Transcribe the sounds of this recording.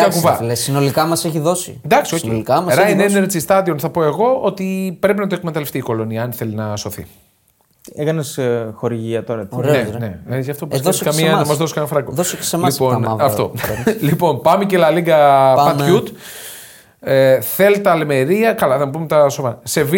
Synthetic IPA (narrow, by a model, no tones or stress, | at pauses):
t̪ɐkuvɐlesinolikɐmɐseçiðo̞sḭend̪ɐksioiikɐmɐɾɐjneneɾt͡ssist̪ɐd̪io̞nθɐpo̞e̞ɣo̞ot̪ipɾe̞p̬inɐt̪oe̞kmet̪ɐleft̪iːko̞lo̞niɐɐnθe̞linɐso̞θḭ | ekɐnesxo̞ɾiʝiɐt̪oɾɐnenḛizʝɐft̪opsskɐmiɐnɐmɐzðo̞si̥kɐnɐnfɾɐkoðossemɐiponɐft̪o̞̰lipo̞npɐmecelɐliɡɐpɐut̪ | eθelt̪ɐleme̞ɾiɐkɐlɐθɐmpumet̪ɐsomɐse̞vi